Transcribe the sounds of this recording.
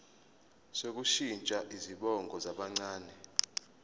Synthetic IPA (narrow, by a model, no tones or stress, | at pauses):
sok̬uʃint͡ʃʼaʔiziɓɔŋɡʱɔzaɓaŋ͡ǀaːnɛ